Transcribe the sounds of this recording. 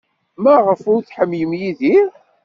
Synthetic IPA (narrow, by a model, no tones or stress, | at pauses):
mæʁəfʊɾθħəmːjəmjiðiɾ